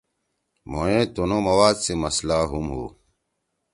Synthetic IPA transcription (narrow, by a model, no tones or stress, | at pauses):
mo̰ẽːt̪unoːmɐwaːd̪semɐslaːɦumɦo̰ː